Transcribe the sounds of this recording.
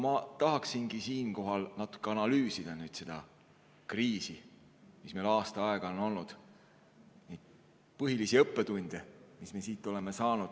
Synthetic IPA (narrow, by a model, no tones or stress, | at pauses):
mɑt̪ɑɦɑksinɡ̥isiːnko̞ɦɑlnɑt̪ːˑu̥kːeɑnɑlyːsid̪̥ɑnyːd̪̥se̞d̪̥ɑ̰ | kriːsi | mismelɑːst̪ɑɑeɡ̥ɑo̞no̞lnud̪̥ | nid̪̥ | pɤɦilisiɤpːe̞t̪unʲd̪̥emismesiːt̪ːˑo̞le̞mesɑːnud̪̥